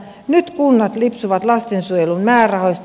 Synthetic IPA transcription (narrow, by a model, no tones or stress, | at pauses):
nyt̪kunːɑt̪lipsuʋɑt̪lɑst̪ensuojelunmæːrɑhoist̪